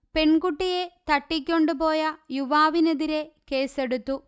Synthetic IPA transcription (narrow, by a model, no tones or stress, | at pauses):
pe̞ɳkuʈːije̞t̪ɐʈːik̬ʲːo̞ɳɖupo̞ːjɐjuʋaːʋineðiɾe̞keːse̞ɽut̪ːu